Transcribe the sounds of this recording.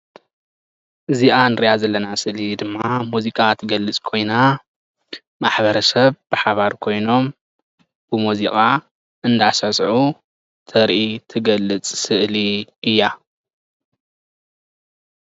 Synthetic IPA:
ʔɨziʔanɨɾijazɐlːɐnasɨʔlid̪ɨmːamuzikʼat̪ʰɨɡɐlːɨt͡sʼkʰo̞jna | maħβɐɾɐsɐβb̥ɨħaβaɾkʰo̞jno̞m | b̥ɨmuzikʼa | ʔɨnd̪asasʕu | t̪ʰɐɾʔit̪ʰɨɡɐlːɨt͡sʼsɨʔliɨjːa

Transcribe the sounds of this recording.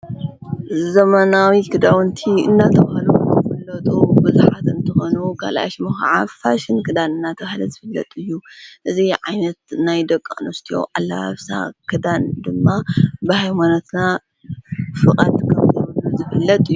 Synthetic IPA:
zɐmɐnawikʰɨd̪awnt̪ʰiɨ̰nːat̪ʰɐβahlukɐfɐlːɐt̪ʼubɨzuħat̪ɨnt̪ʰɨxonukʰa̰lʔa̰ʃmɨxʕafaʃɪnkʰɨd̪anɨnːat̪ʰɐβahlɐzɨfɨlːɐ̰t̪ʼɨjːuʔɨziʕajnɐt̪najd̪ɐkʼːanost̪ʰijo̞̰ʔalːaa̰βsa̰kʰɨd̪and̪ɨmːabɨhajmanot̪na | fɨkʼɐ̰t̪kʰɐmzɐβuzɨfɨlːɐt̪ʼɨjːu

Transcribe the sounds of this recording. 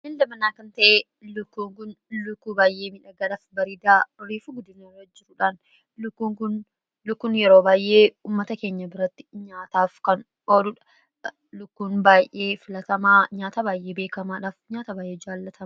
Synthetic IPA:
hɪnd̪ɐbɐnaːkɐnt̪ɐʔeː | lʊkːuːŋkʊn | lʊkːuːbaːjʔe̞ːmɪᶑɐɡɐlɐfbɐɾiːd̪aːɾiːfuɡʊd̪ɪnɐːrɐd͡ʒɪɾʊᶑaːn | lʊkːuːŋkʊn | lʊkːunjɛɾoːbaːjʔe̞ːuːmːɐt̪ɐke̞ːɲːɐbɪɾɐt̪ːɪ̥ɲaːt̪aːfkɐn | ʔo̞ːlʊᶑɐ̥ | lʊkːuːnbaːjʔe̞ːfɪlɐt̪ɐmaːɲaːt̪abaːjʔe̞ːbe̞ːkɐmaːᶑaːfɲaːt̪ɐbaːjʔeːd͡ʒaːlːɐt̪ʰɐm

